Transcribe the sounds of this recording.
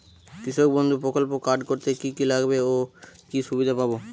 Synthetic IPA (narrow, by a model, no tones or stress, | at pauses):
kɾiʃok̚bond̪ʱupɾokolpokaɾɖkoɾt̪ekikilaɡbeokiʃubid̪ʱapabo